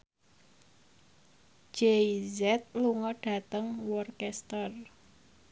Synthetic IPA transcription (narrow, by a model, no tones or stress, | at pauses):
d͡ʒ̥eizɛt̪̚luŋɔɖ̥a̤t̪əŋwɔrkɛst̪ər